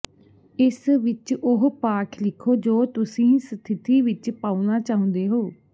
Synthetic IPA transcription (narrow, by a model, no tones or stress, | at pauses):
ɪsʋɪt͡ʃʊɦpaːkʰlɪkʰːoːd͡ʒoːt̪ʊsĩːsət̪ʰɪt̪iːʋɪt͡ʃpaːunaːt͡ʃaːɦʊ̃nd̪eːɦoː